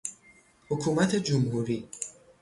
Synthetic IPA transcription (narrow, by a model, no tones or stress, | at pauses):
hokʰuːmæt̪ʰed͡ʒʊmhuːɾiː